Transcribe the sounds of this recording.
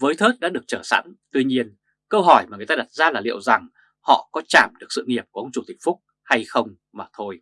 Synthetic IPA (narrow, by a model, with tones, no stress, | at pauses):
vəː˨˦jt̪ʰəː˦˥t̚ɗa̰ː˧˥ɗɨ˨˩ək̚t͡ɕəː˧˩sa̰˧˥nt̪wi˧ɲi˧ən | kə˧wɦɔ˧˩jmaː˨˩˨t̪aː˧ɗa˨˩t̚zaː˧laː˨˩lḭ˧˨əwza˨˩ŋ | hɔ̰˧˨kɔ˨˦t͡ɕaː˧˩mɗɨ˨˩ək̚sɨ̰˧˨ŋi˨˩əp̚ku˧˩ə˧wŋ͡mt͡ɕu˧˩t̪ï˨˩ŋ̟̚fʊ˦˥k͡p̚ | ha˧jxə˧wŋ͡m | maː˨˩t̪ʰo˧j